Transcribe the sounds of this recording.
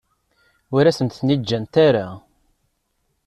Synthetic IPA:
ʊɾæsənt̪θnid͡ʒːænt̪aɾa

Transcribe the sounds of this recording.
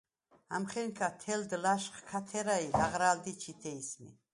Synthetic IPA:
amχɛnkʰat̪ʰɛld̪laʃχkʰat̪ʰɛɾailaʁɾald̪it͡ʃʰit̪ʰɛismḭ

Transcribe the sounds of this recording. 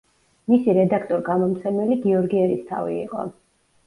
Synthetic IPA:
misiɾɛd̪akʰt̪ʼɔɾɡamɔmt̪sʰɛmɛliɡiɔɾɡiɛɾist̪ʰa̰vḭḭqʼɔ̰

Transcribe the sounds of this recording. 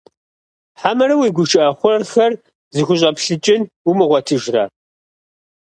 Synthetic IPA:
ħamɐɾɐwiːɡʷʊʃɨʔɐχʷʊrɐrxɐr | zɨxʷʊɕ̬ʼɐpɬɨt͡ʃʼɪn | umɨʁʷɔtʰɨʒrɐ̰

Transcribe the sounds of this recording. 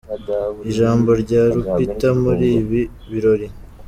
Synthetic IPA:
iʒaːmbo̞ɾɟaːɾupitamuɾiːβi | βiɾo̞ɾi

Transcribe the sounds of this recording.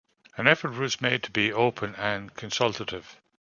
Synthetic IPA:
ə̃nɛfə˞t̚wɒzmeɪd̚tʰəbioʊpʰə̃nə̃nkʰə̃nsʌlˠtəɾɪv̥

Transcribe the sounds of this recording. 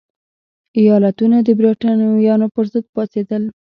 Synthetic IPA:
ijɑlat̪unad̪əbɾeʈanjɑnopəɾzəd̪̚pɑsed̪əl

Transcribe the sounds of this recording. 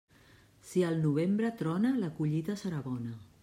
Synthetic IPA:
siəlˠnuβ̞embɾət̪ɾɔnələkuʎit̪əsəɾaβɔnə

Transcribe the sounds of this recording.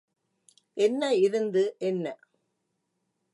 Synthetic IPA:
ʔɛnːɐɪɾɯnd̪ɯʔɛnːɐ

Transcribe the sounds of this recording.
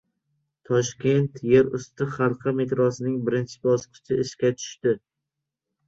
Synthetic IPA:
t̪ʰɒʃkʲe̞nt̪je̞ɾʊst̪ɪχalˠqʰɑme̞t̪ɾɒsɪnɪŋbɪɾɪnt͡ʃʰɪ̥bɒsqɨ̥t͡ʃʰɪɪʃkʲat̪ʰʊ̥ʃt̪ɪ

